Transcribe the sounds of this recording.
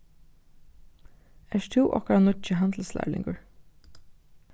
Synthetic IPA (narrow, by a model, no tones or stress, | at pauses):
ɛʃt̪ʰuːʔɔ̰hkɾanʊt͡ʃəɦand̪l̩slæ̰ːlɪ̰̃ŋɡʊɹ